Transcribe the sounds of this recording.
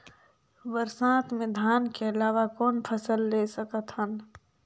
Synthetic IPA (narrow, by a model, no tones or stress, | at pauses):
ʋəɾsãːt̪mẽd̪ʱaːnkeɐlaːʋakɔːnpʰəsəlːeːsəkət̪ɦən